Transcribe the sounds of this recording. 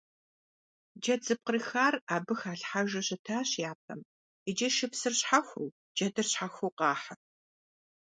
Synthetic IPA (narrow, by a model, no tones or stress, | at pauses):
d͡ʒɐd͡zɨp̚qərixaːraːbɨxaːɬħaʒɐɕɐtʰaːɕjaːp̚ʰɐm | id͡ʒɐʃɪpsɨrɕħaxʷuw | d͡ʒɐdɨrɕħaxʷuwqɑːħa